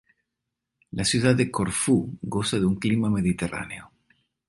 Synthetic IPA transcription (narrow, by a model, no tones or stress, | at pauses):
lasjuðaðekoɾfuɣosaðeuŋklimameðit̪era̰neo